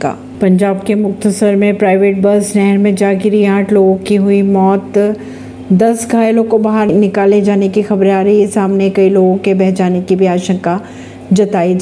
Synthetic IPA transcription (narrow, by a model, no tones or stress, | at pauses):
ka̰ː | pɐ̃ɲd͡ʒaːb̚kemʊk̚t̪əsəɾmẽpɾaːɪʋeːʈ̚bɐɾsnɛɦɛɾmẽd͡ʒaːɡɪɾiãːʈʰloːɡõkiɦʊimɔːt̪ | d̪ɐsɡʱaːjlõkobaɦəɾnɪkaːled͡ʒaːnekixɐbɾaːɾɐɦisaːmnekɐiloːɡõkebɛɦt͡ʃaːnekibʱiaːʃə̃ŋka | d͡ʒɐt̪aːid͡ʒ